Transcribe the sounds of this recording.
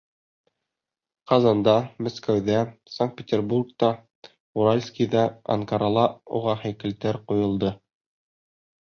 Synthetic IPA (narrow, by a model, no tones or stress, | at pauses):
qɑzɑnd̪ɑmæskæwðæsaŋkt̪̚pʲet̪ʲerburk̚t̪ɑ | uɾalʲskʲiðɑɑ̰ŋkɑɾɑlˠɑṵʁɑhæjkɘ̆lt̪ɘɾqujŏlˠd̪ɤ